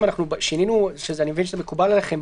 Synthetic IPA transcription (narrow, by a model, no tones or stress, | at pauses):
manaχnubʃininuʃezeanimevinʃezemekuballeχem